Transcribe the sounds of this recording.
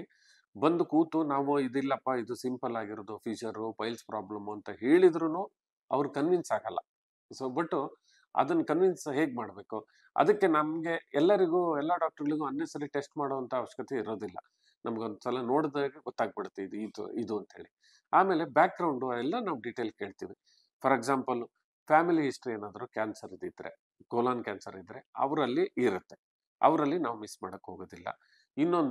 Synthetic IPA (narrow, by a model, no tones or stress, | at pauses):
bɐnd̪ukuːt̪unaːʋuid̪ilːɐpːaid̪usimpɐlaːɡiɾoːd̪ufʰiːt͡ʃɐɾupɐjlspɾaːblɐmuɐnt̪ɐɦe̞ːɭid̪ɾunuː | ɐ̰ʋɐɾukɐnʋinsaːɡɐlːɐ̰ | sobɐʈːu | ɐ̰d̪ɐnːɐkɐnʋinsɦe̞ːɡ̚maːɽbe̞ːku | ɐ̰d̪ɐkːe̞nɐmɡe̞ɛlːɐɾiɡuːɛlːaɖaːk̚ʈɐɾɡɐɭiɡuɐnːeːsɐɾiʈesʈmaːɽoːɐnt̪ʰɐɐʋɐʂːɐ̥kɐt̪ʰeiɾoːd̪ilːɐ̰ | nʔɐmɐɡeond̪usɐlɐno̞ːɽd̪aːɡeɡɔt̪ːaːɡ̚biɽt̪ːeid̪id̪̰id̪uɐnt̪ɦḛːɭi | aːme̞ːle̞bjaːk̚ɡɾɐwɳɖuɐɛlːɐnaːʋɖiʈeːlke̞ːɭt̪iːʋi | pʰɐɾeɡzaːmpɐl | pʰaːmiliɦisʈɾieːnaːd̪ɐɾukʲaːnsɐɾid̪id̪ːɐɾe̞̰ | ɡoːlaːnkʲaːnsɐɾid̪ɾe̞ɐ̰ʋɾɐlːiʔiɾut̪ːe̞ | ɐ̰ʋɾɐlːinaːʋmisːmaːɽɐkːɦoːɡoːd̪ilːɐ̰ | inːo̞nd̪